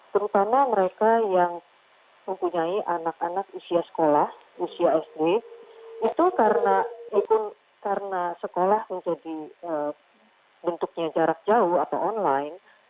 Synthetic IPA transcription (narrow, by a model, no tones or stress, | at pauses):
t̪əɾut̪amaməɾekajaŋ | məmpuɲaiʔanakanakusiasə̥kolah | usiaɛsde | it̪ukaɾənaipʊn | kaɾənasəkolahməɲd͡ʒadiə | bənt̪uk̚ɲad͡ʒaɾak̚d͡ʒauhat̪awɔnlajn